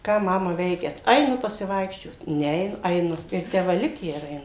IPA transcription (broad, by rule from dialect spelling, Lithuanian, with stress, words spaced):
ˈkɑː ˈmɑːmɐ ˈʋʲɛɪkʲɛt ˈɐɪnʊ pɐsʲɪˈʋɐɪkʃʲt͡ʃʲoːt ˈnʲɛ ɛɪˈnʊ ɐɪˈnʊ ɪr ˈtʲæː ˈʋɐ ˈlʲɪkʲæː ɪr ɐɪˈnʊ